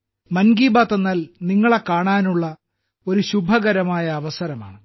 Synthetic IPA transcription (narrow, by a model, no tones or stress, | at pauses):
mɐnɡiːbaːt̪ːɐnːɐlniŋːɐɭekaːɳaːnuɭːɐ | o̞ɾuɕubʱɐɣɐɾɐmaːjɐːʋɐsɐɾɐma̰ːɳɨ